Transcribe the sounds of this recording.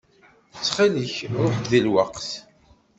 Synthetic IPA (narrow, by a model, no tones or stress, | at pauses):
t͡sːχiləçʊħðilwəqθ